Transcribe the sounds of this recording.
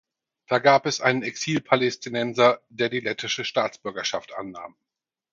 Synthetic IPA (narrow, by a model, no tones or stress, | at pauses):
d̥aːɡaːpɛsʔaɪnənɛksiːlpʰalɛstʰinɛnzɐd̥eːɐdiːlɛtʰɪʃəʃtaːt͡sb̥ʏɐɡɐʃaftʔa̰nːa̰ːm